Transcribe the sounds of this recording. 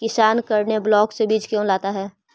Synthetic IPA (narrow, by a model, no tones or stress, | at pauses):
kɪsaːnkɐɾneblɔːksebiːt͡ʃkjõːlaːt̪aɦɛː